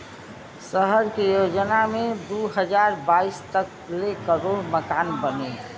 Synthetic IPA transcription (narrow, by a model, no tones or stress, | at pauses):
səɦəɾkejod͡ʒnamed̪uɦəd͡ʒaːɾbaist̪ək | lekəɾoɾməkaːnbəne